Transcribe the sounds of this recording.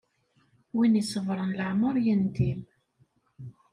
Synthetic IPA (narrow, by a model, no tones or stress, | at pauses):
winisˤəvɾˤənləʕməɾˤjənd̪im